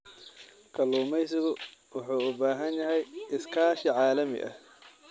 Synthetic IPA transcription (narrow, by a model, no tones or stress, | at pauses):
kʰɐluːmɛjsɪɣʊwɑħuːʊbaːɦɐnjɐɦɛjʔɪskʰaːʃɪʕɑːlɐmɪ̰ʔɐ̰h